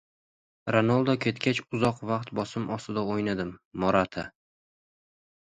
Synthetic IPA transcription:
ɾanɒlˠd̪ɒkʲʰe̞t̪kʲʰat͡ʃʊzɒqvaq̚t̪bɒsɪmɒsɪd̪aojnad̪ɪmːɒɾat̪ʰa

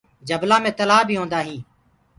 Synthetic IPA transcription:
d͡ʒəblãːmẽːt̪əlaːbʱiːɦõːnd̪aːɦĩː

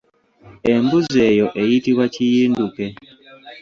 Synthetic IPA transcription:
embuzejoʔejitiβwacijiːnduke

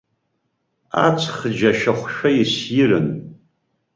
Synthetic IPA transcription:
a̰t͡sʰχd͡ʒaʃᶣaχʷʃᶣaisjɪrɨn

